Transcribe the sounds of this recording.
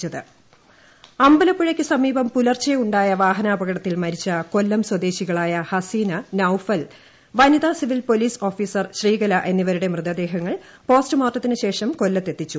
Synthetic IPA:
t͡ɕːɐðɨ | ɐmbɐlɐpːuɻɐkʲːɨsɐmiːbɐmpulɐrt͡ɕːɐjuɳɖaːjɐʋaːɦɐnaːbɐɣɐɽɐt̪ːilmɐɾit͡ɕːɐko̞lːɐmswɐd̪e̞ːɕiɣɐɭaːjɐhɐsiːnɐnɐwfɐl | ʋɐnid̪ɐsiʋilpo̞liːso̞ːfiːsɐrɕriːɣɐlɐʔe̞nːiʋɐɾuɽe̞mrɨðɐd̪e̞ːɦɐŋːɐɭ | po̞ːstɨmaːʈːɐt̪ːinɨɕe̞ːʂɐmko̞lːɐt̪ːe̞t̪ːit͡ɕːu

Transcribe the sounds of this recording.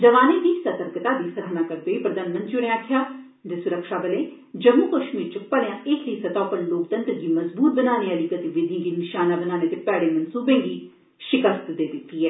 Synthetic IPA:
d͡ʒəʋaːneːd̪iːsət̪əɾkət̪aːd̪iːsəɾɦnaːkəɾd̪oːiːpɾəd̪aːnmə̃nt̪t͡ʃʊɽ̃eaːkʰjaː | d̪esʊɾəkʃaːbəleː | d͡ʒəmuːkəʃmiːɾt͡ʃəpəljãːʔeːkɾiːsət̪ɔːpənloːk̚t̪ə̃nt̪ɡiːməzbuːt̪̚bənaːneəlikət̪ʋɪd̪ʱĩɡiːnɪʃaːnaːbənaːneːt̪epɛːɽeːmənsuːbẽːɡiː | ʃɪkəst̪d̪eːd̪ɪt̪ːiːɦɛː

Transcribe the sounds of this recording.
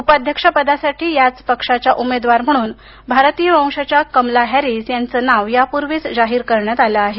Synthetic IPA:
upəad̪ʱjəkʂapəd̪asaʈʰiːjat͡spəkʂat͡ɕaʔumed̪ʋaɾm̤əɽ̃uːn | bʱaɾt̪ijəmãwʂat͡ɕjakəmlaɦæɾiːsjant͡səːnaʋjapuɾʋiːt͡sd͡zaɦiːɾkəɾɳjat̪alaːɦe

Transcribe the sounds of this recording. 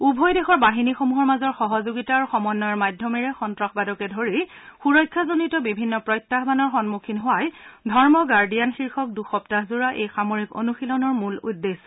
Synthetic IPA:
ubʱɔjdexɔɹbaɦinixomuɦɔɹmazɔɹxɔɦɔzoɡitaːɹuxɔmɔnːɔjɔɹmajdʱːɔmɛɹɛxɔntɹaxbadɔkɛdʱoɹixuɹɔjkʰːazonitɔbibʱinːɔpɹɔjtːaɦbanɔɹxɔnmukʰinɦowajdʱɔɹmɔɡaɹdijanxiɹxʰɔk̚duxɔptaɦzuɹaʔejxamoɹiko̰nuxilɔnɔɹmulṵdːes

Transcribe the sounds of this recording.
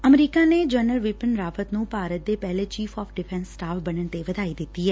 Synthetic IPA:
əmɾiːkaːneːd͡ʒəːnəlʋɪpənɾaːfət̪nũːpaːɾət̪̚d̪eːpɛːleːt͡ʃiːfʰɔːfɖɪpʰɛ̃nsːʈaːfbənəɳt̪eːʋəd̪aːiːd̪ɪt̪ːiːɦɛː

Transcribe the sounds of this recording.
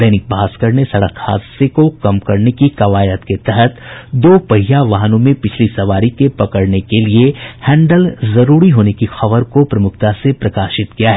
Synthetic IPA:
d̪ɛːnɪk̚bʱaːskəɾnesɐɽə̰kʰha̰ːd̪sekokɐmkɐɾnekikɐʋaːjət̪ket̪ɛɦɛt̪d̪oːpɐɦijaʋɐɦnõmẽpɪt͡ʃʰlisɐʋaːɾikepɐkəɽnekeliehɛ̃ːɳɖəlzɐɾuːɾiɦoːnekixɐʋəɾkopɾɐmʊk̚ʰt̪asepɾɐkaːʃɪt̪kijaɦɛ

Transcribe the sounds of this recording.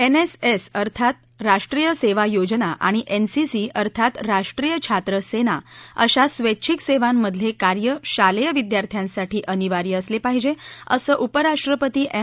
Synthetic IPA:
enesesəɾt̪ʰat̪ | ɾaʂʈɾijəseʋajod͡ʑnaʔa̰ɽ̃iʔensisiəɾt̪ʰat̪ɾaʂʈɾijət͡ɕʰat̪ɾəsenaə̰ɕasʋetːt͡ɕʰikseʋamːəd̪ʱljekaɾjəɕaljəʋid̪jaɾt̪ʰjãnsaʈiːʔəniʋaɾiəslepaɦid͡ʑeəsəːʔupəɾaʂʈɾəpət̪iːʔe

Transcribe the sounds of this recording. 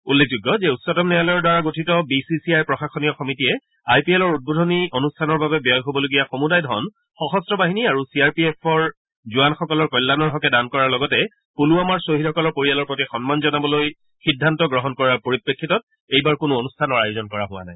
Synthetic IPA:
ulːek̚ʰzuɡːɔzɛutsɔtɔmnɛalɔjɔdaɹaɡotʰitɔbisisiajpɹɔxaxɔnijɔxɔmitijɛ | ajpielɔɹud̚bodʱɔnionustʰanɔɹbabɛbiɔjɦobɔloɡijaxomudajdʱɔ̰n | xɔxɔstɹɔbaɦiniaɹusiaɹpiɛpʰɔɹ | zuanxɔkɔlɔɹkɔjlːanɔɹɦɔkɛdankɔɹaɹlɔɡɔtɛ | puluamaɹsoɦithɔkɔlɔɹpoɹijalɔɹpɹotixɔnmanzɔnabɔloj | xidʱːantɔɡɹɔɦɔnkɔɹapoɹipɹekʰːitɔt̚ | ejbaɹkʊnʊonustʰanɔɹajozɔnkɔɹa̰ɦʊwa̰na̰j

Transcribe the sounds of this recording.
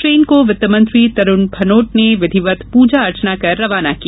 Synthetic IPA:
ɾeːnkoʋɪt̪ːəmə̃nt̪ɾit̪ɐɾʊnbʱɐnoːʈ̚neʋɪd̪ʱiʋət̪puːd͡ʒaɐɾt͡ʃnakɐɾːɐʋaːnaki

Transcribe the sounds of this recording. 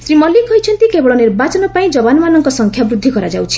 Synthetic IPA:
sɾimɔlːikɔjt͡ʃʰɔnt̪ikebɔɭɔniɾbat͡ʃɔnɔpaĩd͡ʒɔbanɔmanɔŋkɔsɔŋkʰjabɾud̪ʱːikɔɾad͡ʒawt͡ʃʰi̥

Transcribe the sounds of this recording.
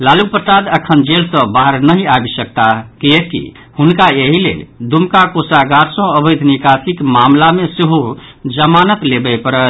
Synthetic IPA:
lalupəsad̪əkʰənd͡ʒelsə̃baɦəɾnəɦiabisək̚t̪akiekːḭ | hunkaeɦilḛld̪umkakosaɡaɾsə̃əbəd̪ʱnikasikmamlameseɦod͡ʒəmanət̪lebɛpəɾə

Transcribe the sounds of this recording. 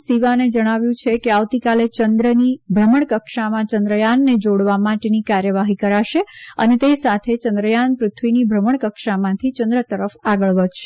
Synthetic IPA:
siʋaned͡ʒəɽ̃aʋjũt͡ʃʰekeaʋt̪ikalet͡ʃənd̪ɾənibʱɾəməɳ̃kəkʃamãt͡ʃənd̪ɾəjanːed͡ʒoɽʋamaʈenikaɾjəʋaɦikəɾaʃeənet̪esat̪ʰet͡ʃənd̪ɾəjanpɾʊt̪ʰʋinibʱɾəməɳ̃kəkʃamãt̪ʰit͡ʃənd̪ɾət̪əɾəfaɡəɭʋəd̪ʃe

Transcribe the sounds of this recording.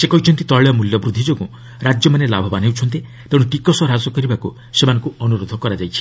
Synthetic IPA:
sekɔɦit͡ʃʰɔnt̪it̪ɔɭejɔmuljɔbɾud̪ʱːid͡ʒoɡũ | ɾad͡ʒjɔmanelabʱɔbanewt͡ʃʰɔnt̪̬i | t̪eɽ̃uʈikɔsɔɾad͡ʒɔkɔɾibaku | semanɔ̃ŋkuɔnuɾod̪ʱɔkɔɾad͡ʒajt͡ʃʰi̥

